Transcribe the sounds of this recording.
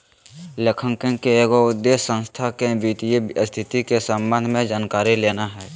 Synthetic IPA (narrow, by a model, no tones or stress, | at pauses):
lekʰə̃ŋkẽŋkeeːɡoʊd̪ːeːsə̃nst̪ʰakebiːt̪ijest̪ʰɪt̪ikesə̃mbə̃nd̪ʱmẽd͡ʒaːnkaːɾileːnaɦɛː